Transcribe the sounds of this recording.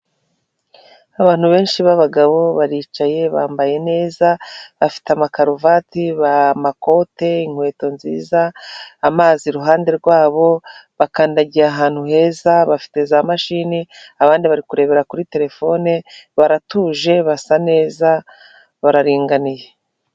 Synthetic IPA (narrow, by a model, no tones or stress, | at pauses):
aβaːn̥huβe̞ːnʃiβaβaɡaβo̞βaɾiːt͡ʃaje̞βa̰ːmbaje̞ne̞ːzaβafi̥teamakaɾovatiβamako̞te̞iŋ̥hwe̞ːto̞nzḭːzaːmaːziɾuɦaːnde̞ɾɡwaːβo̞βakaːndaɟiaːɦaːn̥huɦe̞ːzaβafi̥te̞zamaʃiniaβaːndiβaɾikuɾe̞ːβe̞ɾakuɾite̞ɾe̞fo̞neβaɾatuːʒe̞βasane̞ːza | βaɾaɾiːŋɡanije̞